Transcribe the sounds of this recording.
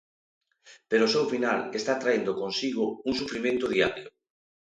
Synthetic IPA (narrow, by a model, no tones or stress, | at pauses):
peɾosewfinalest̪at̪ɾaend̪okonsiɣ̞ʊuŋsufɾimẽnt̪oðiaɾjo